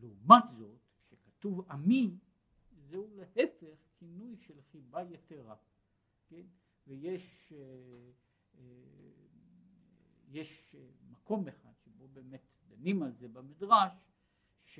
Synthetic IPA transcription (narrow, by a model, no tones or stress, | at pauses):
leumat̪zo̞t̪kʃekat̪uvami | zeulehefeχkʰinujʃelχibajeteʁa | ken | vejeʃe | jeʃmako̞meχad̥̪ʃebobeːmet̪d̪animalzebamid̪ʁaʃ | ʃ